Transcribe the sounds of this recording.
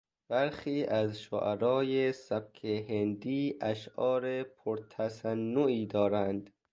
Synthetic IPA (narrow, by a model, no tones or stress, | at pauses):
b̥æɾxiːʔæzʃo̰ʔæɾɒːjesæb̚kʰeɦend̪iːʔæʃʔɒːɾepʰoɾt̪ʰæsænːoiːd̪ɒːɾænd̪